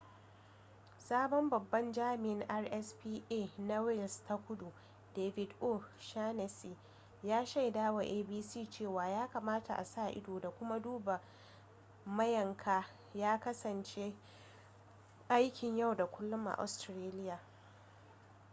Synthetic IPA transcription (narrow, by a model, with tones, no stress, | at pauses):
saː˦bɔ˦mbɐ˨bːɐ˦nd͡ʒaː˦mɪ˨ʔɪ˦ŋʔa˦rʔɛ˦spiː˦ʔeː˦˨na˦wɪ˦˨lsta˦kʷʊ˦du˨ | deː˨vɪ˨dʔo˦ʃaː˦nɛ˨si˨ | jaː˦ʃa˦˨jdaː˦wa˨ʔeː˦biː˦siː˦˨t͡ʃeː˦˨waː˨jaː˦ka˨maː˦ta˨ʔa̰˨saː˦˨ʔɪ̰˦doː˨da˨kʷʊ˦ma˦duː˦ba˨ | mɐ˦jɐ˨ŋkʰaː˦ | jaː˦kɐ˦sɐ˨nt͡ʃe˦ | ʔa˦jkʲɪ˨ɲja˦˨wda˨kʷʊ˦lːʊ˦mʔa̰˨ʔɔ̰˨stɾaː˦lɪ˦jaː˨